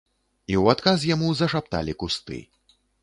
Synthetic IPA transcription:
iwat̪kas̬jamuzɐʂap̚t̪a̰lʲikust̪ɨ̰

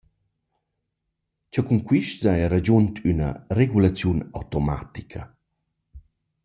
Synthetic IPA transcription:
cɔkuŋkwiʃtzajaɾad͡ʑuntʰynə̰reɡulat͡sjuna̰wtoma̰tikʰɐ̰

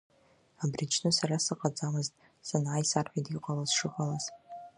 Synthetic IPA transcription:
abrit͡ʃʰnɨsaɾasɨqʼad͡zamɨztʼ | sɨnʕajsarħʷᶣadiqʼalazʂɨħʷʼalaz̥

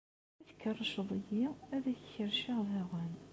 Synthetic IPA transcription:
æθəkːərˤːɑʃəðˤəjiæðæççəɾʃiʁðæʁən

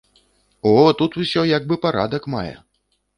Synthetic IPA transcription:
ɔt̪ut̪usʲɔjaɡ̚bɨpaɾa̰d̪ɐkma̰jɛ̰

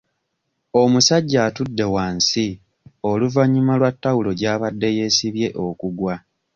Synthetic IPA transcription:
o̞musaɟːaːtudːe̞waːnsi | o̞luvaɲːimalwatːawulo̞ɟaːβadːe̞je̞ːsiβje̞ʔo̞kuɡwa

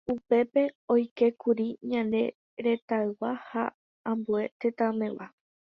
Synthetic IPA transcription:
upe̞pe̞o̞jke̞kuɾiɲãnd̪e̞ | ɾe̞t̪aɨwaha | ãmbue̞t̪et̪ãmẽ̞ʋa

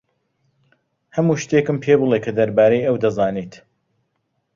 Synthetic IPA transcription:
hɐmuːʃt̪eːkɨmpʰeːbɨlˠekʰɐd̪ɐɾbaːɾejɐwd̪ɐzaːniːt̪

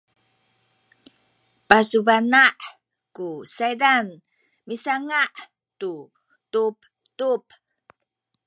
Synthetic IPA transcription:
pasubanaʔ | kusajdan | misaŋaʔ | tu | tup | tup̚

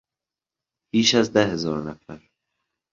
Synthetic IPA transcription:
b̥iːʃæzd̪æhezɒːɾnæfæɾ

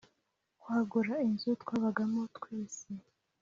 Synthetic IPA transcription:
kwaːɡuɾainzutkwaːβaɡamotkwiːsi

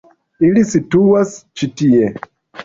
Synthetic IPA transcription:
ilisituast͡ʃitie

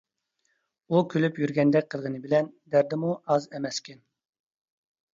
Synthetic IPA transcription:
ukʲʰølypjyɾɡʲɛnd̪ɛk̚ʲqʰəlˠʁənɨbɪlɛnd̪æɾd̪ɛmuʔɑzɛmɛskʲɛn

